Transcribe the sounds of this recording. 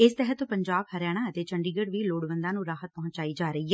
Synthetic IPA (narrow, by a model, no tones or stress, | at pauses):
ɪst̪ɛɦət̪pəɲd͡ʒaːbhəɾjaːɽ̃ãːət̪eːt͡ʃəɳɖiːɡəɽʋiːloːɽʋə̃nd̪ãːnũːɾaːɦət̪̚pɔɦʊ̃ɲt͡ʃaːiːd͡ʒaːɾəiːɛː